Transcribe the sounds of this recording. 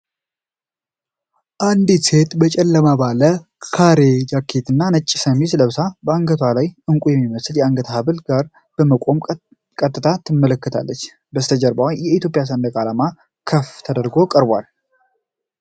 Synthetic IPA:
ʔand̪ise̞t̪bət͡ʃʼɛlːəmabalə | kʰaɾed͡ʒakʰːet̪ʰɨnːanət͡ʃʼːi̥səmisləβsabəaŋɡət̪ʰwalajʔɨŋkʼujɛmːiməsɨljɛaŋɡət̪ʰəhaβɨlɡaɾ | b̥əməkʼo̞m | kʼət̪ʼːɨt̪ʰat̪ʰːɨmːələkːət̪ʰa̰lːət͡ʃː | bəst̪ʰəd͡ʒəɾbawjjɛit̪jo̞pʼjas̬ənd̪əkʼalama | kʰəft̪ʰəd̪əɾɡo̞kʼəɾbʷa̰l

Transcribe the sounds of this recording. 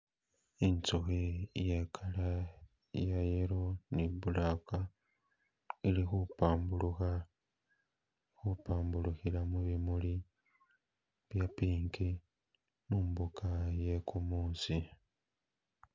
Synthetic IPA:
int͡soxejakʰala | jajeɾoniβulaka | ilixupaːmbuluxa | xupaːmbuluxilamuβimuli | βjapiːŋki | mumbukʰajekʰumuːnsi

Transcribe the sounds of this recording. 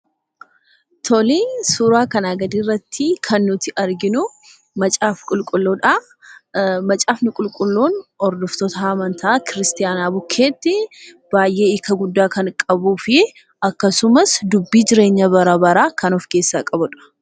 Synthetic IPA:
t̪ʰɔlisuːɾaːkɐnaːɡɐd̪iːrːɐt̪ʰːɪkʰɐnːʊt̪ɪʔɐɾɡɪnʊ | mɐt͡ʃʼaːfkʼʊlkʼʊlːoᶑa | mɐt͡ʃʼaːfnʊkʼʊlkʼʊlːoːnɔɾd̪ɔft̪ɔt̪ɐɐmɐnt̪ʰɐːkɪɾɪst̪ɪjaːnaːbʊkʰːe̞ːt̪ːɪ | b̥aːjʔe̞ːɪkːɐɡʊd̪ːaːkɐnkʼɐbuːfɪ | ɐkːɐsʊmɐsd̪ʊbːiːd͡ʒɪɾe̞ːɲːɐbɐɾɐbɐɾaːkɐnɔfke̞ːsːaːkʼɐbʊᶑɐ̥

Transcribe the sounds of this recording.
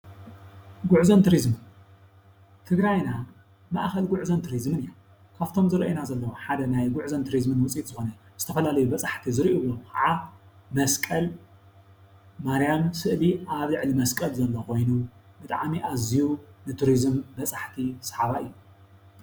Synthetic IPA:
ɡʊʕzont̪ʰuɾizm | t̪ʰɨɡɾajna | ma̰ʔxɐlɡʊʕzɐnt̪ʰuɾizɨmɨnɨja | kʰaβt̪ʰo̞mzɨɾʔenazɐlːɐwoħad̪ɐnajɡʊʕzɐnt̪ʰuɾizmɨnwʊt͡sʼit̪zɨxo̞nɐz̥ɨt̪ʰɐfɐlalɐjubɐt͡sʼaħt̪ʰizɨɾiʔuwokʰaʕamɐskʼɐl | maɾijamsɨʔliʔaβlɨʕlimɐskʼɐlzɐlːoko̞jnu | bɨt̪ʼa̰ʕmiʔazijunɨt̪ʰuɾizɨmbɐt͡sʼaħt̪ʰisɐħaβaɨjːu

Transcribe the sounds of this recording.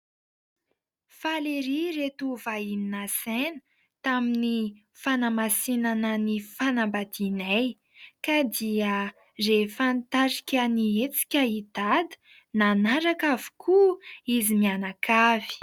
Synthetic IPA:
faleɾiret̪uvaininasenə | t̪amini | fanamasinanənifanambad̪inaj | kad̪iə | refant̪aɾi̥kʲəniet͡si̥kʲəid̪̥ad̪ə̥ | nanaɾakavu̥kʰuizimianakʰav̥i̥

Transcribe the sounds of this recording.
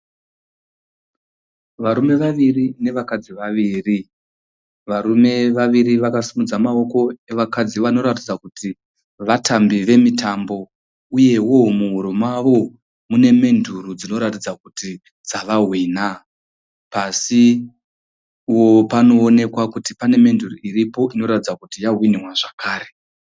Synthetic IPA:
ʋaɾume̞ʋaʋirine̞ʋakad͡ziʋaʋiːri | ʋaɾume̞ʋaʋiɾiʋakasimud͡zamao̞ko̞e̞ʋakad͡ziʋano̞ɾatid͡zakuti | ʋatʰambiʋe̞mitambo̞ | uje̞wo̞muɦuɾomaʋo̞ | mune̞me̞ndʱurud͡zino̞ɾatid͡zakuti | d͡zaʋaɦwina | pasi | wo̞pano̞ːne̞kwakutipane̞me̞nduruiripo̞ʔino̞ɾatid͡zakutijaɦwiniwaʐakaːɾe

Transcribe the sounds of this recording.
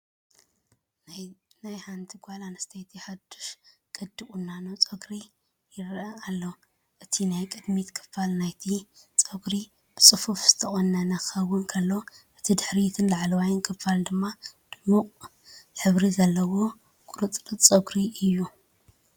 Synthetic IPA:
najħant̪ʰiɡʷalanɐst̪ʰɐjt̪ʰiħad̪u̥ʃ | kʼɨd̪ɨkʼunːanot͡sʼɐɡɾi | jɪɾɐalːo | ʔɨt̪ʰinajkʼɨd̪mit̪kʰɨ̥falnajt̪ʰit͡sʼɐɡɾi | b̥ɨt͡sʼɨfufz̥ɨ̥t̪ʰɐxʼonːɐnaxɐwːʊnkʰɐlːoʔɨt̪ʰid̪ɨħɾit̪ʰɨnlaʕlɐwajnkʰɨfald̪ɨmːad̪̥ɨmːu | ħɨβɾizɐlːɐwo̞ | kʼuɾɨt͡sʼɾɨt͡sʼɐɡɾiɨjːu

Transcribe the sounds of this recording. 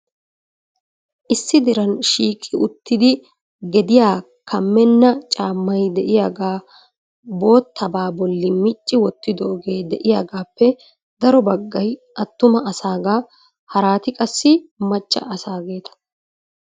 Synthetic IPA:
ʔɪsːɪd̪ɪɾɐnʃiːkʼːɪʔʊt̪ːɪd̪ɪ | ɡɛd̪ɪjaː | kʰɐmːɛnːɐt͡ʃʼaːmːɐjd̪ɛʔɪjaɡaː | bo̞ːt̪ʰːɐbaːbɔlːɪmɪt͡ʃʼːɪwɔt̪ːɪd̪ɔːɡe̞ːd̪ɛʔɪjaːɡaːpːɛ | d̪ɐɾɔbɐɡːɐjʔɐt̪ːʊmɐɐsaːɡaː | hɐɾaːt̪ɪkʼɐsːɪmɐt͡ʃʼːɐ̰ʔɐsaːɡe̞ːt̪ɐ̥

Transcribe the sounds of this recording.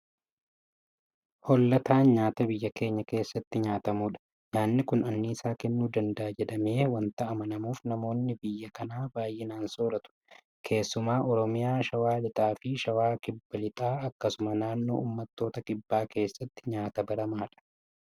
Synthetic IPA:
hɔlːɐt̪aːnɲaːt̪ɐbɪjːɐke̞ːɲːɐke̞ːsːɐt̪ːɪɲaːt̪ɐmuːᶑɐ̥ | ɲaːnːɪkʊnɐnːɪːsaːkɛnːuːd̪ɐnd̪ɐːd͡ʒɛᶑ̪ɐme̞ːwɐnt̪ɐʔɐmɐnɐmuːfnɐmo̞ːnːɪbɪjːɐkɐnaːbaːjʔɪnaːnsoːɾɐt̪ʊ̥ | kʰe̞ːsːʊmaːʔɔɾɔmɪjaːʃɐwaːlɪt̪ʼaːfɪʃɐwaːkɪbːɐlɪt̪ʼaːɐkːɐsʊmɐnaːnːo̞̰ːʔuːmːɐt̪ːo̞ːt̪ɐkʼɪbːaːke̞ːsːɐt̪ːɪ̥ɲaːt̪ɐbɐɾɐmaːᶑɐ̥

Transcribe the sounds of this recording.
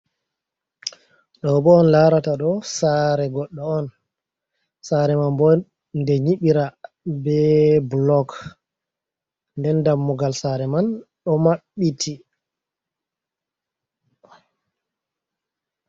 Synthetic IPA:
ɗɔbɔːnlaɾataɗɔsaɾɛɡɔɗːɔɔn | saɾɛmanbɔ | ndɛɲiɓiɾa | bɛblɔk | ndɛndamːuɡalsaɾɛmanɗɔmaɓːitʰi

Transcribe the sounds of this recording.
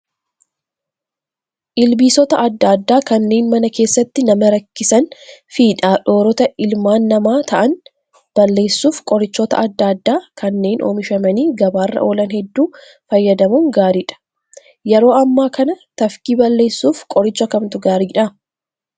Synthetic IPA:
ʔɪlbiːsɔt̪ɐʔɐd̪ːaːd̪ːaːkɐnːe̞ːnmɐnɐke̞ːsːɐt̪ːɪnɐmɐɾɐkːɪsɐnfiːᶑaːᶑo̞ːɾɔt̪ɐʔɪlmaːnːɐmaːt̪ʰɐʔɐn | b̥ɐlːe̞ːsːuːfkʼɔɾɪt͡ʃːɔt̪ɐ̰ʔɐd̪ːaːd̪ːaːkɐnːe̞ːnʔo̰ːmɪʃɐmɐniːɡɐbaːrːɐ̰ʔo̞ːlɐnhɛd̪ːuː | fɐjːɐd̪ɐmuːŋɡaːɾiːᶑɐ̥ | jɛɾo̞ːɐmːaːkɐnɐt̪ɐfkiːbɐlːe̞ːsːuːfkʼɔɾɪt͡ʃːɐkɐmt̪ʊɡaːɾiːᶑa

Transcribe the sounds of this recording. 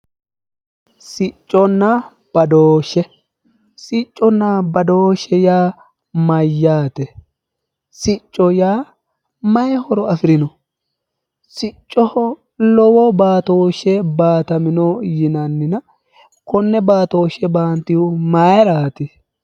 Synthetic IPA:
sɪt͡ʃʼːɔnːɐ | b̥ɐd̪oːʃːɛ | sɪt͡ʃʼːɔnːabɐd̪oːʃɛjaː | mɐjːaːt̪ɛ | sɪt͡ʃʼːɔjaː | mɐjɛhɔɾɔɐfɪɾɪnɔ | sɪt͡ʃʼːɔhɔ | lɔwɔbaːt̪oːʃːɛbaːt̪ɐmɪnɔjɪnɐnːɪnɐ | kɔnːɛbaːt̪oːʃɛbaːnt̪ɪʊmajɾaːt̪ɪ

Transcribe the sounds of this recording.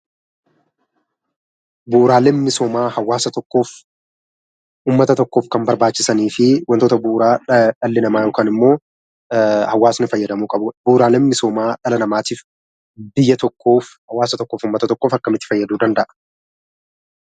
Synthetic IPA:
buːɾaːleːnmɪsoːmaːhɐwːaːsɐt̪ɔkːoːf | ʔuːmːɐt̪ɐt̪ɔkːo̞ːfkɐmbɐɾbaːt͡ʃːɪ̥sɐniːfɪwʔɐnt̪oːt̪ɐbuːɾaːᶑɐlːɪnɐmaːjoːkaːnɪmːo̞ː | hɐwːaːsnɪfɐjːɐd̪ɐmuːkʼɐbʊbuːɾaːleːnmɪsoːmaːᶑɐlɐnɐmaːt̪iːf | bɪjːɐt̪ɔkːoːfhɐwaːsɐt̪ɔkːo̞ːfuːmːɐt̪ɐt̪ɔkːoːfɐkːɐmɪt̪ːɪ̥fɐjːɐd̪uːd̪ɐnd̪ɐʔɐ̥

